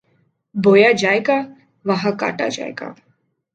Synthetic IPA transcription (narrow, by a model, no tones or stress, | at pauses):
bojad͡ʒaːjɡa | ʋaɦaka̰ʈa̰d͡ʒa̰ḛka̰